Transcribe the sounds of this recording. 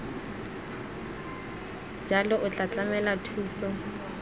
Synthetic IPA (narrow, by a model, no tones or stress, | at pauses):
d͡ʒʱalɔʔʊt͡ɬʼat͡ɬʼamɛlatʰuːsɔ